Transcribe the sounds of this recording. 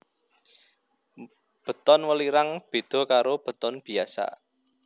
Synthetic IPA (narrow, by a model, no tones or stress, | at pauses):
b̥ə̤t̪ɔnwəliɾaŋb̥e̤d̪̥ɔ̤kaɾob̥ə̤t̪ɔnb̥i̤asa̰